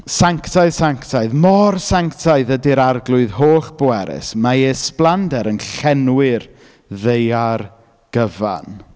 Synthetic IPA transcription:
saŋktʰaɨðsaŋktʰaɨðmɔrsaŋktʰaɨðədiɾarɡlˠʊɨðhoːχboɛɾɪ̰smaesplˠandɛɾənχɬɛnwɪɨr | ðejar | ɡ̥əva̰n

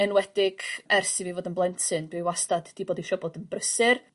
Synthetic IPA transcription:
ənwɛdɪɡ̥ɛrsivivoːdənblˠɛntʰɨnbɪwastad̥d̥iboːdiʃɔboːdənbrəsɨr

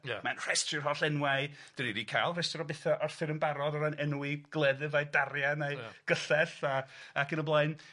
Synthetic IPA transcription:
manr̥ɛstrɪr̥ɦɔɬɛnwaɨ | d̥əɾiɾiːkʰajlˠrɛstɔɾɔbɪθaʔɔrθɪɾənbaɾɔdɔɾanɛnuiɡ̥lˠɛðɨvajdaɾjanejɡ̥əɬɛθaakʰənɔblˠaɨn

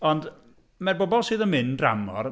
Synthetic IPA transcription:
ɔnd | mɛrbɔbɔlˠsɨːðənmɪndra̰mɔ̰r

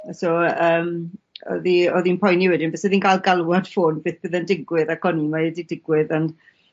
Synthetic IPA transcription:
sɔəːmɔ̰ðiɔðinpʰɔjniwɛdɪnbɛsəðiːnɡʰalˠɡalˠwad̥foːnb̥eːθb̥ɨðəndɪɡwɪðakʰɔnimaədidɪɡwɪðan̥

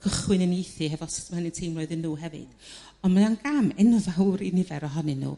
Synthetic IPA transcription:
kʰəχwɨnənejθɨhɛvɔsmahənɨtʰejmrɔɨðɨnːuːɦɛvɨ̰d̥ | ɔnmananɡamɛnɔðawɾinɪvɛɾɔɦɔnɨnːṵː

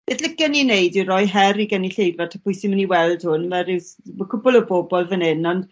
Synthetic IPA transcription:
ɛdlɪkɛninejdiɾɔjɦɛɾiɡəniɬejvratʰapʰʊjsɪməniwɛlˠd̥hʊnmɛɾɪwsməkʰʊbɔlˠəbɔbɔlˠvənɪnɔnd

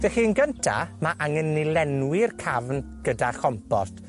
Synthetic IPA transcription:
v̥ɛχiːnɡəntʰa̰maʔaŋənːɪlˠɛnwɪrkʰavnɡ̥ədaχɔmpɔst

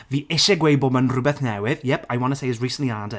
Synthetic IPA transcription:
viːʔɪʃɛɡwejbɔmənrʊbɛθnɛwɪðjɛpʰajwɔ̃nəsejɪzɹiːsə̃nʔliadɛ

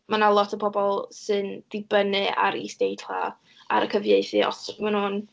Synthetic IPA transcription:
manalˠɔtʰəpʰɔbɔlˠsɨnd̥ɪbənɨa̰ɾḭsd̥ejtʰla̰ | a̰ɾəkʰəvjeɨθɨɔ̰smanhuːn

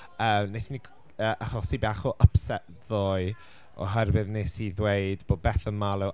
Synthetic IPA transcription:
əːmnejθni | əːʔaχɔsibaχɔʔəpsɛʔ | ðoːɨ | ɔ̰ɦɛrwɨðnesiðwejdboːd̚bɛθəmalˠɛw

